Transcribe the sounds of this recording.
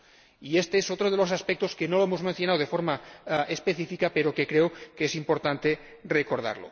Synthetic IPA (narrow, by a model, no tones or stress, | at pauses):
iest̪eesot̪ɾoð̞elos̬aspek̚t̪o̞skenoloemozmẽnθjo̞nawðefo̞ɾmaespeθifikapeɾokekɾeokesimpo̞ɾt̪ant̪e | rekoɾð̞a̰ɾlo̰